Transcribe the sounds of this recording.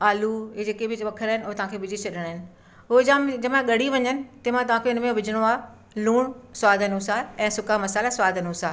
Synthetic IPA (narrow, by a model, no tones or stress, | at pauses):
aːluɦed͡ʑeːkebʱɪʋɐkʰəɾaːɪnɪʊɦt̪ɐʋ̤ãːkʰebɪd͡ʑit͡ɕʰɐɗəɽ̃ːɪnɪ̆ | ɦoːd͡ʑamd͡ʑɐmãɠɐɽiʋɐɲənɪ̆t̪ɐmãt̪ɐʋãːkʰeʊnmẽʋɪd͡ʑʱɪɽ̃oaː | luːɽ̃swaːd̪ʱənusaːɛ̃ːsʊkamɐsaːlasʋaːd̪ʱənusaː